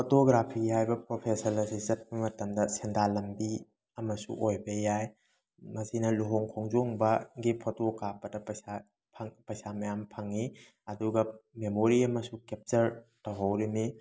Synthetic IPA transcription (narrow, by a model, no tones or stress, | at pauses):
pʰotoɡɾapʰihajbɐpɾopʰesɐɾlɐsizɐt̚bɐmɐtɐmdɐsendalɐmbi | ɐmɐsṵʔojbɐjaj | mɐsinɐluɦoŋkʰoŋzoŋbɐɡipʰotokapɐdɐpɐjsa | pʰɐŋpɐjsamɐjampʰɐŋi | ɐduɡɐmemoɾiɐmɐsukep̚t͡ʃɐɾtɐwɦawɾimi